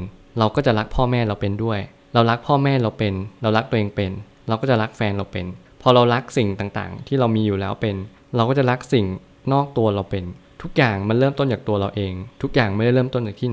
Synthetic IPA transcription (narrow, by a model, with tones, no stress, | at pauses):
ɾa˧wkɔː˥˩t͡ɕa˨˩ʔɾa˦˥k̚pʰɔː˥˩mɛː˥˩ɾa˧wpe˧ndu˥˩əj | ɾa˧wɾa˦˥k̚pʰɔː˥˩mɛː˥˩ɾa˧wpe˧nɾa˧wɾa˦˥k̚t̪u˧ʔeː˧ŋpe˧n | ɾa˧wkɔː˥˩t͡ɕa˨˩ɾa˦˥k̚fɛː˧nɾa˧wpe˧n | pʰɔː˧ɾa˧wɾa˦˥k̚si˨˩ŋt̪aː˨˩ŋt̪a̰ː˨˩ŋt̪ʰiː˥˩a˧wmiː˧juː˨˩lɛː˦˥wpe˧n | ɾa˧wkɔː˥˩t͡ɕa˨˩ɾa˦˥k̚si˨˩ŋ | nɔː˥˩k̚t̪u˧ɐɾa˧wpe˧nt̪ʰu˦˥k̚jaː˨˩ŋma˧nɾɤː˥˩mt̪o˥˩nt͡ɕaː˨˩k̚t̪u˧ɐɾa˧wʔeː˧ŋt̪ʰu˦˥k̚jaː˨˩ŋma˥˩jda˥˩ɾɤː˥˩mt̪o˥˩nt͡ɕaː˨˩t̪ʰiː˥˩na˨˦